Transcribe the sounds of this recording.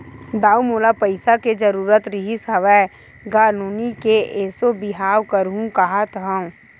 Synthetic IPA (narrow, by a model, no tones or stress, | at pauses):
d̪aːumoːlapəɪsaked͡ʒəɾuːɾət̪ɾɪɦisɐʋɛː | ɡaːnuːnikeʔeːsobɪɦaːwkəɾɦũkɐɦat̪ɦə̃ũ